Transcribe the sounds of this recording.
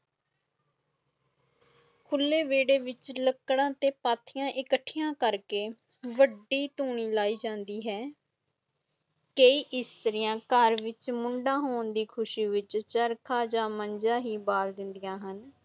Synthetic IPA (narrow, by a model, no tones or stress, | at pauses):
kʰʊlːeːʋeːɽeːʋɪt͡ʃləkːɽãːt̪eːpaːt̪ʰɪjãːʔɪkəʈʰːɪjãːkəɾkeː | ʋəɖːiːt̪uːɳ̃iːlaːiːd͡ʒãːnd̪iːɦɛː | kəiːʔɪst̪əɾɪjãːkəɾʋɪt͡ʃmʊɳɖãːɦoːɳd̪iːkʰʊʃiːʋɪt͡ʃt͡ʃəɾkʰaːd͡ʒaːməɲd͡ʒãːɦiːbaːld̪ɪnd̪ɪjãːɦən